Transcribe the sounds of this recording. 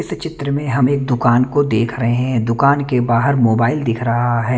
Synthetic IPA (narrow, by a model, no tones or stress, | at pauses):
ɪst͡ʃɪt̪ɾəmẽɦɐmeːk̚d̪ʊkaːnkod̪eːkʰɾɐɦeɦɛ̃d̪ʊkaːnkebaːɦəɾmoːbaːɪld̪ɪkʰɾɐɦaɦɛː